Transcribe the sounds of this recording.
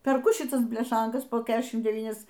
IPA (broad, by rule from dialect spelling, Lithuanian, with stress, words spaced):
pʲɛrˈkʊ ʃʲɪˈtɐs bʲlʲɛˈʃɐŋkɐs poː ˈkʲæːʃʲɪm dʲɛˈʋʲiːnʲɛs